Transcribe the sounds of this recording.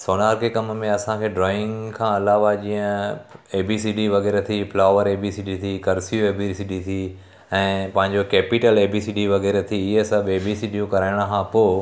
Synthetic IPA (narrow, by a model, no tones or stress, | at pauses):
soːnaːɾkʰekɐmmẽɐsãkʰeːɖɾɔːɪ̃ŋɡkʰãɐlaːʋad͡ʑĩːə̃eːbisiːɖiʋɐɣɛːɾet̪ʰiflaːʋəɾeːbisiːɖit̪ʰikɐɾsijoeːbisiːɖit̪ʰi | ɛ̃ːpɐ̃ɦɪ̃ɲd͡ʑokɛːpiʈəleːbiːsiːɖiʋɐɣɛːɾet̪ʰiɪɦesɐbeːbisiːɖijũkɐɾaːɪɽ̃kʰãpoː